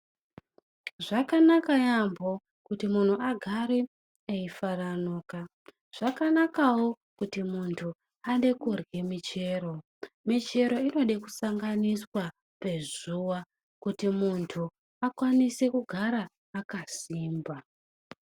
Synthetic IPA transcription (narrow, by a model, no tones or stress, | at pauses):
ʐakanakajambo̞ | kutimun̤uaɡʱaɾe | eifaranoːka | ʐ̥akanakawo | kutimuntʰu | anɗe̞kurɡemit͡ʃe̞ro̞ | mit͡ʃe̞ɾo̞ino̞ɗeku̥saŋɡaniswa | pe̞ʐuwa | kutimuntʰu | akwanise̞kuɡʱaɾaː | kasiːmba